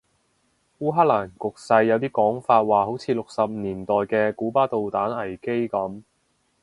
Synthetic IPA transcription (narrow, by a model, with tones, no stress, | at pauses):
wuː˥ɦaː˥laː˨˩nkʊ˨k̚sɐ˧jːɐ˨˧wt̪iː˥kɔː˨˥ŋfaː˧t̚waː˨ho˨˥wt͡sʰiː˨˧lʊ˨k̚sɐ˨p̚niː˨˩nt̪ɔː˨jkɛː˧kuː˨˥paː˥t̪o˨wt̪aː˨˥nɐ˨˩jke˥jkɐ˨˥m